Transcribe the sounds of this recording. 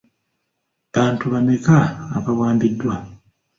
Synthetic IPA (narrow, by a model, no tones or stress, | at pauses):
βaːntuβanekaːkaβwaːmbidːwa